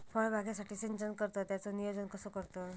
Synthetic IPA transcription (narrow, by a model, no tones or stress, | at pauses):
fʰɔjbʱaɡjasaʈʰiːsent͡ɕənkəɾt̪ɔt̪jat͡sɔnijod͡zənkəsɔkəɾt̪ɔ